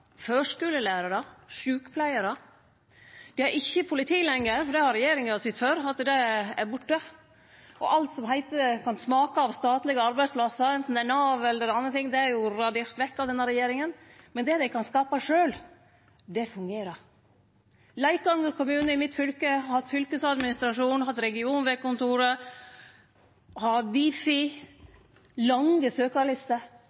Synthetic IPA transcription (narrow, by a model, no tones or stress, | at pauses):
føːʂkʉːləlæːɾəɾəʂʉːkəpʰlæɪəɾə | d̪̥ɪhɑɾʔɪçːəpʰʊlɪt̪ʰiːlɛŋːəɾfɔɖɛhɑɾɛjeːɾɪŋəɔsɪt̪ːføːɾɑt̪ːd̪ɛæɾbʊʈːə | ʔɔʔɑlt̪sɔmɦæɪt̪əkʰɑnsmɑːkɑɑʋst̪ɑːt̪lɪɡəɑɾbæɪspʰlɑsːəɾɛnt̪n̩d̪ænɑːʋɛlːəɾɛɑnːət̪ʰɪŋːd̪ɛæɾjʊɾɑd̪eːɾt̪ʋɛkːɑʋd̪ɛnːəɾɛjeːɾɪŋənmɛnd̪ɛd̪ɛɪkʰɑnskɑːpɑʂøːl | d̪ɛfʉŋɡeːɾəɾ | læɪkɡɑŋːəɾkʊmʉːnəɪmɪt̪fʏlkəɑhɑt̪ːfʏlkəsɑd̪mɪnɪst̪ɾɑʂuːnhɑt̪ːɾɛɡɪuːnʋɛkʊnt̪uːɾə | hɑd̪iːfɪ | lɑŋɡəsøːkɑɭɪst̪əɾ